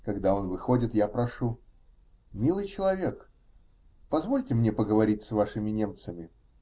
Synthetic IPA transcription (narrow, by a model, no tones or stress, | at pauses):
kɐɡd̪ao̞nvɨxodʲɪt̪japɾɐʂu | mʲilˠɨjt͡ɕɪlˠɐvʲe̞k | pɐzvo̞lʲtʲɪmnʲe̞pəɡəvɐɾʲit̚ʲsvaʂɨmʲɪnʲe̞mt̪səmʲɪ